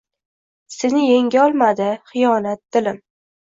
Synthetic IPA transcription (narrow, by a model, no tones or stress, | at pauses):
senɪjeŋɡʲaɒlˠmad̪ɪχɨjɒnat̪̚d̪̥ɪlɪm